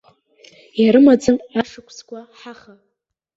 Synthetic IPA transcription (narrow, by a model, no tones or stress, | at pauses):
jaɾɨmad͡zɨmaʂɨkʷʰskʷʼaħaχa